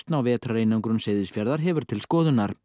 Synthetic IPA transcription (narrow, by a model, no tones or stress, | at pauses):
t̪nawvɛːt̪ɾaɾejnaŋkɾʏnseːjðɪsfjaɾðaɾɦɛvʏɾ̥t̪ʰɪlskɔːðʏnːaɾ̥